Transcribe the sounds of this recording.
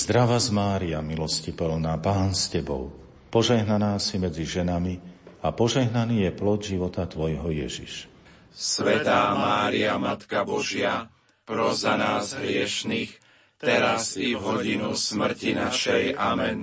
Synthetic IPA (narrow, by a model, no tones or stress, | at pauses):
z̥d̪ɾaʋazmaːɾiamilɔscipɛlnaːpaːnscɛbɔ̰ʊ | pɔʒɛɦnanaːsimɛd͡ziʒɛnamiapɔʒɛɦnaniːjɛplɔɟʒiʋɔt̪at̪ʋɔjɦɔjɛʒḭʃ | sʋɛt̪aːmaːɾiamat̪kabɔʒɪa | pɾɔzanaːzɦɾɪɛʃniːx | t̪ɛɾazivɦɔɟinusmr̩cinaʃɛjamɛn